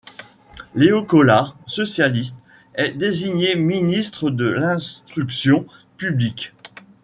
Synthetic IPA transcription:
leɔkɔlaʁsɔsjalist̪ | ɛd̪eziɲeminist̪χəd̪əlɛ̃st̪χyksjɔ̃ | pyblikʲ

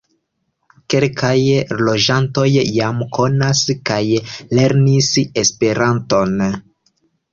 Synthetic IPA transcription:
ke̞lkʰajlo̞d͡ʒanto̞jːamkʰo̞naskajle̞ɾnise̞spe̞ɾanto̞n

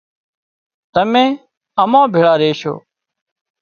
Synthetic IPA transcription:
t̪əmẽː | əmãːbʱeːɭaːɾeːʃo̰ː

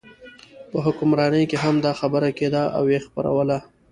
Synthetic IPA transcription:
pəɦʊkʊmɾɑnəjkeɦamd̪ɑxabəɾaked̪aʔa̰wjexpa̰ɾa̰wəla

